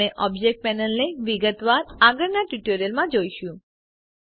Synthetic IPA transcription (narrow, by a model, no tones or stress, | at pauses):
eʔɔbd͡ʒek̚ʈ̚pɛnəlneʋiɡət̪ʋaɾaɡəɾnaʈuʈoɾijəlmãd͡ʒojʃũ